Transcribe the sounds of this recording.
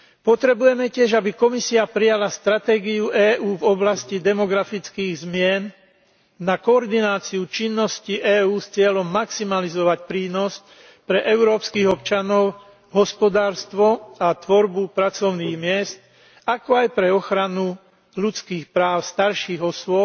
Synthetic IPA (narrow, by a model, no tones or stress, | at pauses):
pɔt̪ɾɛbujɛmɛcɪɛʒabikɔmisiapɾijalast̪ɾat̪ɛːɡiuʔɛːʔuːvɔblascid̪ɛmɔɡɾafit͡skiːɣzmɪɛn | nakɔːɾd̪inaːt͡siut͡ʃinːɔsciʔɛːuːst͡sɪɛlɔmːaksimalizɔʋacpɾiːnɔsc | pɾɛʔɛʊɾɔːpskiːɣɔp̚t͡ʃanɔʊ | ɦɔspɔd̪aːɾst̪ʋɔat̪ʋɔɾbupɾat͡sɔʊniːɣmɪɛst̪ | akɔajpɾɛɔxɾanu | lut͡skiːxpɾaːʊst̪aɾʃiːɣɔsʊɔp̚